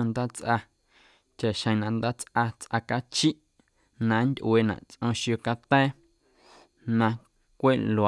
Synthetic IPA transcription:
õ˧nd̪aː˦t͡sʔa˧ | t͡ʃa˨ʃə̃˧˨nã˧nd̪a˦t͡sʔa˧t͡sʔa˧ka˦t͡ʃi˦ʔ | nã˧˦nd̪ʲʔweː˧˨nã̰˨ʔt͡sʔɔ̃˧ʃjo˧ka˧t̪ɛː˦ | nã˧ | kʷe˦˨lo˨a˨

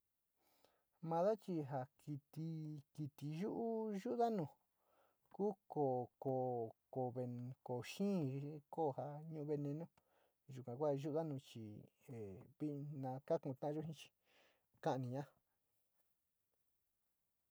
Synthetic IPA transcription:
mã˧ða˦t͡ʃi˧ɦa˧ki˧t̪i˧ki˧t̪i˧ʒu˦ʔu˦ʒu˦ʔða˦nũ˨ | kuː˦ko˨ko˨ko˨βe˧ko˨ʃĩː˦koː˦˨ha˧ɲũ˦ʔũ˦βe˧nẽ˧nõ˦ | ʒu˨kʷã˨kʷa˦˨˧ʒu˦ʔða˦nũ˧t͡ʃi˨ | e˨βi˦ʔnã˧ka˦kũ˧˨t̪ã˦ʔa˧ʒo˦ɦĩ˦t͡ʃi̥˧ | kã˦ʔnĩ˧ɲã˦

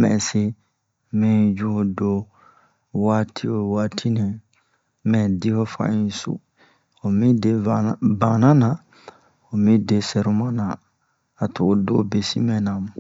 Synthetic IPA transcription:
mɛ̰̃˨se˦ | mɛ̃˦˨d͡ʒu˦ho˨do˦ | waː˦tʰi˦o˨waː˦tʰi˦nɛ̃˨ | mɛ̃˨di˦ho˦fã̰˨ĩ˨˦sṵ˨ | o˨mĩ˦de˨bã˨nã˦nã˨ | o˨mĩ˦de˨sɛ˨ɾu˦mã˦nã̰˨ | a˨to̰˨o˨do̰˦be˨si˦mɛ̃˨nã˨m̃˨

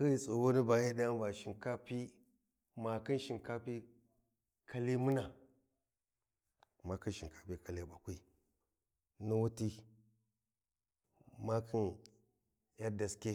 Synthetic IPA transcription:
ki˦i˨so˨wo˦ni˦ba˨ji˦da˦n˦ba˨ʃi˨ŋka˦pi˦ | ma˨kɨ˦nʃi˨nka˦pi˦ | kʰa˦li˦mu˦na˨ | ma˨ki˦nʃi˨ŋka˦pi˦ka˨le˦˨ba˨kʷi˦ | nu˦wu˦ti˦ | ma˦kʰi˦n | ja˦da˨ske˦

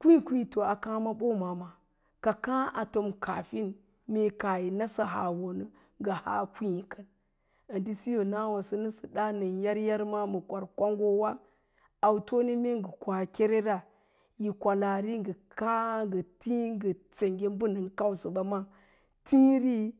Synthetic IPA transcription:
kʷi˦kʷi˦˨to˨a˨kã˦ma˦ɓo˦ma˨ma˨ | ka˨kã˦ʔa˨to˨mkʰa̰˨fi˦n | me˦ka˨ji˨na˦sa˦ɦa̰˨wo˨nɨ˦ | ŋɡa˨ha̰˦kʷi˦i˨kə˨n | a˨ndi˦si˦jo˨na˦wa˨sə˦nɨ˦sə˨da˦nə˨nja˦ɾja˦ɾma˦mə˨kʷa˨ɾkʷa˦ŋɡo˦wa˦ | a˨wto˦ni˦me˦ŋɡə˨kʷa˨kʲe˦ɾe˦ɾa˦ | ji˨kʷa˨la˨ɾi˦ŋɡə˨ka˦ŋɡə˨ti˦ŋɡə˨t͡se˨ŋɡe˦m˦bu˦nə˨ŋka˦wsə˨ba˨ma˦ | ti˦ɾi˦

